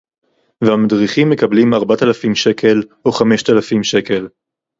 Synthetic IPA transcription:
veamadʁiχimːe̞kablimaʁbat̪alafimʃe̞kʰe̞loχame̞ʃt̪alafimʃe̞ke̞l

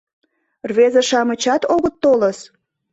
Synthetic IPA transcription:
rβezeʃɑmət͡ɕɑt̪oɣə̆t̪ːoləs

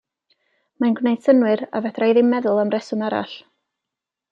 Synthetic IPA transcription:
manɡwnejd̥sənwɨɾa̰vɛdrajðɪmɛðʊlˠamrɛsʊnaɾa̰ɬ

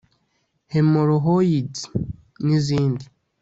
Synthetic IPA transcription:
hemoɾoɦojidi | niziːndi

